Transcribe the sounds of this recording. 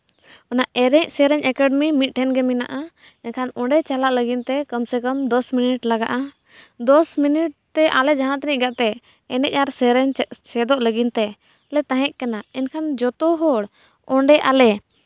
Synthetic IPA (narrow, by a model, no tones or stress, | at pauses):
ɔnaʔʔɛɾɛɲ̚sɛɾɛɲɛkaɖmimit̪̚ˀʈʰɛnɡɛmina̰ʔaɛnkʰanɔ̃ɳɖɛt͡ʃalaʔləɡint̪ɛkəmsɛkəmd̪ɔsminiʈlaɡa̰ʔa | d̪ɔsminiʈ̚t̪ɛʔalɛd͡ʒaɦãʔt̪nic̚ˀɡaʔt̪ɛ | ɛnɛc̚ˀaɾsɛɾɛɲsɛd̪ɔʔləɡint̪ɛ | lɛt̪ãɦɛ̃ʔ̚kɛnaɛnkʰand͡ʒɔt̪ɔɦɔɽ | ɔɳɖɛʔalɛ